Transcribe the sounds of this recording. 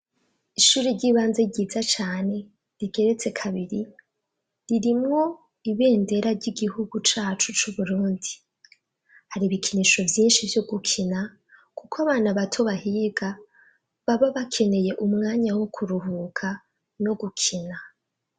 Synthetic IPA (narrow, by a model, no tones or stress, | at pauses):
iʃuːɾiɾɟiːβaːnzeɟiːzat͡ʃaːne̞ | ɾiɡe̞ɾet͡se̞kʰaβiɾi | ɾiɾimŋo̞ | iβe̞ːnde̞ɾaɾɟiɡihuɡut͡ʃaːt͡ʃut͡ʃuβuɾuːndi | haɾiβikʰiniʃo̞vjiːnʃivjoɡukʰina | kukʰoaβaːnaβatʰo̞βahiːɡa | βaβaβakʰe̞ne̞je̞ʔumŋaːɲawokʰuɾuhukʰa | no̞ɡukʰina